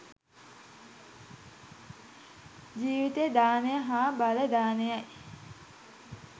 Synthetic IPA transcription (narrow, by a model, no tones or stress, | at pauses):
d͡ʒiːʋit̪ed̪aːnejəɦaːbaləd̪aːnejaj